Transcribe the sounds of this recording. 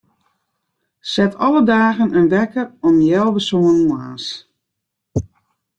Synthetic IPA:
sɛtʰɔlədaːɣənənʋɛkərɔmjɛlˠʋəsoːənuaːs

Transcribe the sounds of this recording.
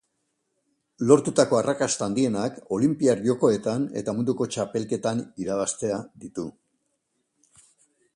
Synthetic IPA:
lo̞ɾt̪ut̪ako̞arakast̪aaːnd̪ie̞nako̞limpiaɾʝo̞ko̞e̞t̪ane̞̰t̪amund̪uko̞t͡ʃape̞lke̞t̪aniɾaβ̞ast̪e̞ad̪it̪u

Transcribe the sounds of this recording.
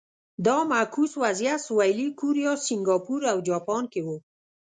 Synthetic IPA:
d̪ɑmakuswazjasʊwajlikuɾijɑsɪŋɡɑpuɾawd͡ʒɑpɑnkewu

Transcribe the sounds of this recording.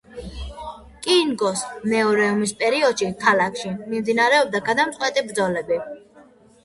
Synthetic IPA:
kʼiŋɡɔsmɛɔɾɛumispʼɛɾiɔd̪̥ʃikʰalakʰʃimimd̪inaɾɛɔb̚d̪aɡad̪amt̪sʼqʼwɛt̪ʼibɾd̪zɔlɛbi

